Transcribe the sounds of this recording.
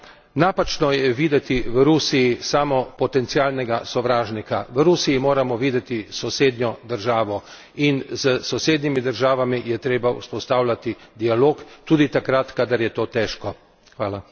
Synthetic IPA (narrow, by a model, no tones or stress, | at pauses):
naːpat͡ʃnɔjɛʋiːd̪ɛt̪iʋəɾuːsijisaːmɔpɔt̪ɛnt̪siaːlnɛɡasɔʋɾaːʒnikaʋəɾuːsiimoːɾamɔʋiːd̪ɛt̪isɔseːd̪njɔd̪əɾʒaːʋɔ | inzəsɔseːd̪nimid̪əɾʒaːʋamijɛt̪ɾeːbaṵspɔst̪aːwlʲat̪id̪ialoːkt̪uːd̪it̪akɾat̪kad̪aɾjɛt̪oːt̪ɛːʃkɔ | xʋaːla